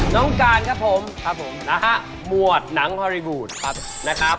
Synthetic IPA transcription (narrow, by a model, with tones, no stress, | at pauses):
nɔ˦˥ŋkaː˧nkʰa˦˥pʰːo˩˦mkʰa˦˥p̚ʰːo˩˦mla˦˧ɦa˦˥ | mu˨˩ət̪̚na˩˦ŋhʰɔː˧ɾi˧wuː˨˩t̪̚ʰ | na˦˥kʰa˦˥p̚